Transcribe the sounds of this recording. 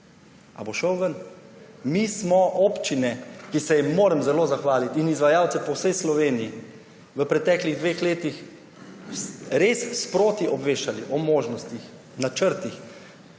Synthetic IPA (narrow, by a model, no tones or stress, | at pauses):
a̰boʃəwʋən | mismɔʔoːpt͡ʃinɛkisɛjimːoːɾɛmzɛloːzaxʋaːlit̪inizʋajaːwt̪sɛpɔwsəjslɔʋeːniji | ʋəpɾɛt̪ɛːkliɣd̪ʋeːxleːt̪ix | ɾeːsspɾoːt̪iʔɔbʋeːʃaliʔɔmoːʒnɔst̪ix | nat͡ʃəɾt̪ix